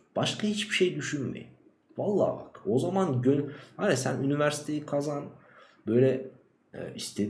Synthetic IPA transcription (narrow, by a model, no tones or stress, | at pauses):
b̥aʃkʰahit͡ʃbiʃejd̪yʃynmḛjim | valˠːa̰ːba̰ko̞zamanɟønhaɾasænynivæɾsi̥t̪ʰejikʰazan | bøjlʲɛ | ɛ̰ːist̪ʰed̪